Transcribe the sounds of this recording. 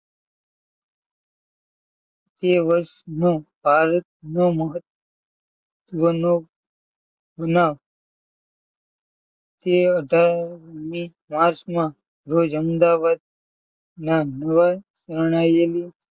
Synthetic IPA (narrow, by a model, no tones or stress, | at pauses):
t̪eʋəɾʃnobʱaɾət̪̚noməɦət̪ | ʋəno | bənaːʋ | t̪eəɖʱaɾni | maɾt͡ʃmã | ɾod͡ʒəmd̪aʋad̪̚ | nanəʋasəɾɳ̃ajeli